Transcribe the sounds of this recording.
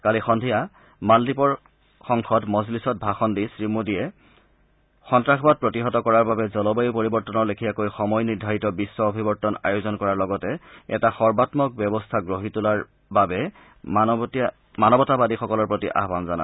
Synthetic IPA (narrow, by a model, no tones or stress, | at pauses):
kalixɔndʱija | maldipɔɹ | xɔŋkʰɔtmɔzlisɔt̚bʱaxɔndisɹimudijɛ | xɔntɹaxʰbat̚pɹotiɦɔtɔkɔɹaɹbabɛzɔlɔbajupoɹibɔɹtɔnɔɹlekʰijakojxɔmɔjniɹdʱaɹitɔbisːɔobʱibɔɹtɔna̰jozɔnkɔɹaɹlɔɡɔtɛɛ̰taxɔɹbatmɔk̚bjɔbɔstʰaɡɹoɦitulaɹ | babɛ | manɔbɔtabadixɔkɔlɔɹpɹotiʔa̰ɦbanzana̰